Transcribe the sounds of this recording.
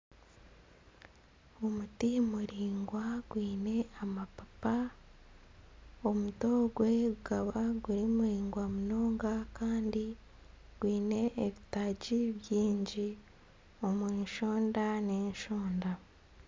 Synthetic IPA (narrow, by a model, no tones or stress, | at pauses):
omutimuɾiːŋɡwaɡwiːne̞amapapa | omuto̞ːɡwe̞uɡaβaɡuɾimuɾiːŋɡwamuno̞ːŋɡakaːndi | ɡ̥wiːne̞ʔːβitaɟiβjiːɲɟi | o̞mweːnʃo̞ːndaneːɲʃoːnda